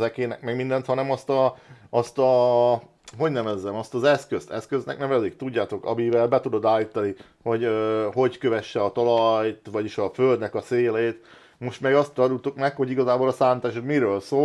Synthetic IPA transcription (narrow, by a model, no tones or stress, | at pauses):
ɛkeːnɛkmɛɡmind̪ɛnt̪hɒnɛmɒst̪ɒːst̪ɒ | ɦo̞ɟnɛmɛzɛmɒst̪ɒzɛskøst̪ɛskøznɛ̰knɛvɛzeːk̚t̪uɟːaːt̪o̞kɒ̰mivɛlbɛt̪ud̪o̞d̪aːlit̪ɒni | ho̞ɟøɦo̞ɟkøvɛʃːɛɒt̪ɒlɒjt̪ʋɒɟiʃɒføld̪nɛkɒseːleːt̪ | mo̞ʃt̪mɛɡɒst̪ɾɒd̪ult̪ukmɛkho̞ɟiɡɒzaːboːlɒsaːnt̪aːʃot̪miɾøːlsoː